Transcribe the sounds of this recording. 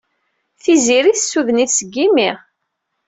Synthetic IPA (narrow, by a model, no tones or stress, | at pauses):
θiziɾiθsːuðəniθsəɡːimiʁ